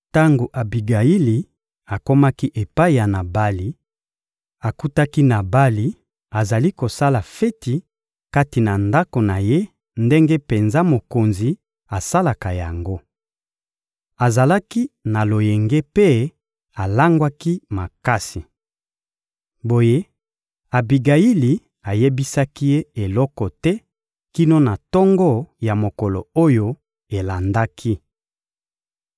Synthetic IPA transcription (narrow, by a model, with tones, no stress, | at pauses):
ta˦ŋɡo˨ʔa˨bi˨ɡa˨ji˦li˨ | a˨ko˦ma˦ki˦ʔe˨pa˦i˨ja˨na˨ba˦li˨ | a˨ku˦ta˦ki˦na˨ba˦li˨ | a˨za˨li˦ko˨sa˦la˨fe˦ti˨ | ka˦ti˨na˨nda˦ko˨na˨je˦ | nde˦ŋɡe˦pe˨nza˦mo˨ko˨nzi˨ | a˨sa˦la˨ka˨ja̰˨ŋɡo˦ | a˨za˨la˦ki˦na˨lo˨jɛ˨ŋɡe˦pe˦ | a˨la˦ŋɡwa˦ki˦ma˨ka˦si˨ | bo˨je˦ | a˨bi˨ɡa˨i˦li˨ | a˨je˦bi˦sa˦ki˦je˦e˨lɔ˦kɔ˨tɛ˦ | ki˦no˦na˨tɔ˦ŋɡɔ˦ja˨mo˨kɔ˨lɔ̰˨o˦jo˦ | e˨la˨nda˦kʰi˦